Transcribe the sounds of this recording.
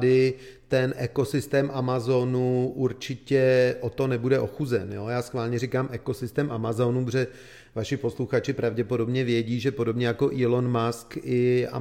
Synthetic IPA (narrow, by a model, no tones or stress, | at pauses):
dɪ | t̪ɛnʔɛko̞sɪst̪ɛːmʔamazonuʔuɾt͡ʃɪcɛʔo̞t̪o̞nɛbudɛʔo̞xuzɛnjo̞jaːsxvaːlɲɛɾiːkaːmʔɛko̞sɪst̪ɛːmʔamazo̞nuprɛ | vaʃɪpo̞sluxat͡ʃɪpɾʔavɟɛpo̞do̞bɲɛvjɛɟiːʒɛpo̞do̞bɲɛjako̞ʔɪlo̞nmaskɪa̰